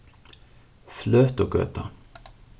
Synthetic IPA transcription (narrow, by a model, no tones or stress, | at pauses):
fløːt̪oːɡø̰ːt̪ɑ